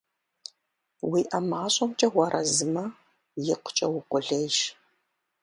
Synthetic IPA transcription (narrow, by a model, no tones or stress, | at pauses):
wiːʔɐmaːɕʼɐmt͡ʃʼɐʁʷɐɾʔɐzɨmɐ | jɪqʷʊ̥t͡ʃʼɐwʊqʷʼʊɮejʃ